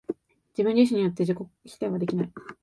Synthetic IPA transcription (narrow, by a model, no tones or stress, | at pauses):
d͡ʑibɯ̃ɲd͡ʑiɕ̬ĩɲ̟ijot̪ːe̞d͡ʑiko̞kçʲi̥t̪aiβad̪e̞kʲinai